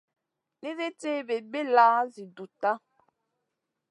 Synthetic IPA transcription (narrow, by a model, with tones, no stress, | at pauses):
ne˦ɾe˦te˦be˨be˦la˦zi˨du˨t̪a˦